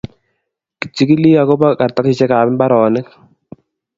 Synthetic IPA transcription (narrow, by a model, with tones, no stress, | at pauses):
ki̥˨t͡ʃːi˦ki˦li˦a˨ko˦ba˦ka˨ɾt̪a˦ɾɪ˨t͡ʃɛ˦kaː˨mɪ˦nba˦ɾɔː˨nɪ˦k